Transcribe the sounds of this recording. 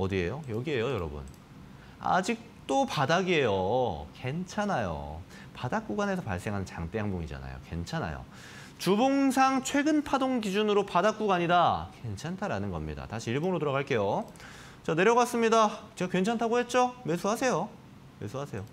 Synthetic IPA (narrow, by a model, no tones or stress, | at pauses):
ʌdie̞̰jojʌɡie̞jojʌɾʌbṵn | a̰d͡ʑik̚t͈opadaɡie̞joke̞nt͡ɕʰanajo̰ | padak͈uɡane̞sʰʌpa̰ɭs͈e̞ŋɦanɯnt͡ɕaŋt͈eɦaŋboŋḭd͡ʑa̰na̰jo̰kwe̞̰nt͡ɕʰana̰jo̰ | t͡ɕuboŋsʰaŋt͡ɕʰwe̞ɡɯnpʰadoŋɡid͡ʑunɯɾopadak͈uɡaɲidakwe̞nt͡ɕʰantʰaɾanɯnɡʌmɲḭda̰taɕʰiiɭboŋɯɾotoɾʌɣaɭk͈e̞jo | t͡ɕane̞ɾjʌɡas͈ɯmɲidat͡ɕeɡakwe̞nt͡ɕʰantʰaɡoɦe̞t̚t͡ɕ͈ome̞sʰuɦasʰe̞jo | me̞sʰuɦasʰe̞jo